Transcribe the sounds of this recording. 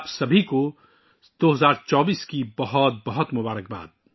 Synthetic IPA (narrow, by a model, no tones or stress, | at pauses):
psɐbʱiko | d̪̥oːɦɐzaːɾt͡ʃɔːbiːskibɐɦɔt̪̚bɐɦɔt̪mʊbaːɾək̚ba̰ːd̪̚